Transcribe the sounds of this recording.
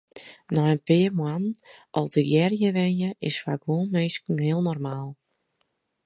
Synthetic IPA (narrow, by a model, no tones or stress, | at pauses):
nɔənpɪəmwanʔɔlˠdəɡjɛrjəʋɛnjəʔɪsfakʋoənmeːskn̩hɪəlˠnɔrmaːlˠ